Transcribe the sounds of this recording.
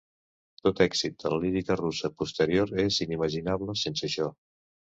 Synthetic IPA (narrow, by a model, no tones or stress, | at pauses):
t̪ot̪ɛksit̪̚d̪ələliɾikərusəpust̪əɾioɾeziniməʒinaβləsensəʃɔ